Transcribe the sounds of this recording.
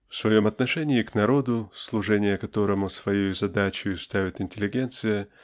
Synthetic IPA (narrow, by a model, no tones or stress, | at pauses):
fsvɐjo̞mɐt̪nɐʂɛnʲɪːknɐɾo̞d̪ʊslˠʊʐɛnʲɪjəkɐt̪o̞ɾəmʊsvɐjejʊzɐd̪at͡ɕʊjʊst̪avʲɪt̪ɪnʲtʲɪlʲɪɡʲe̞nt̪sɨjə